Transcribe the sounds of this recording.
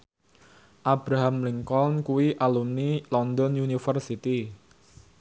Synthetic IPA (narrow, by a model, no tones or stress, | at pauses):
ʔabɾaɦamliŋkɔnkuwiʔalumnilɔnd̪ɔnunifərsit̪i